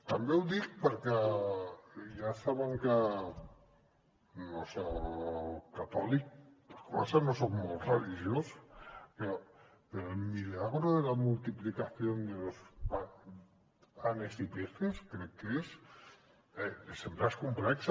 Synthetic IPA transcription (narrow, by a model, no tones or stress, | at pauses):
t̪ambewðik̚pəɾkɛ | ʒasaβaŋka | nose | kat̪ɔlik̚poɾkoasanosokmolt̪reliʒjospeɾɔ | elmilaɣɾoðelamult̪iplikaθjond̪elospa | anesit̪esθt̪eskɾɛkkːes | ɛesembɾaskumplɛks